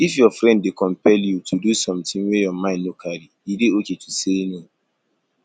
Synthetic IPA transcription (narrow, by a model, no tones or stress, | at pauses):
ifjɔfɾɛ̃ndːekɔ̃mpɛljutʰudusɔ̃mtɪ̃ŋwɛjɔmãɪ̃nnokʰaɾiideoketuseno